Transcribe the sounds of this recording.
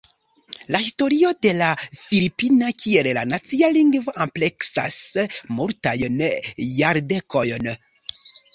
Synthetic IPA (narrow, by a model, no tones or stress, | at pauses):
lahisto̞ɾio̞de̞lafilipinakʰie̞lla̰nat͡sialiŋɡvo̞ʔample̞ksa̰smuɾtajnjaɾde̞ko̞jn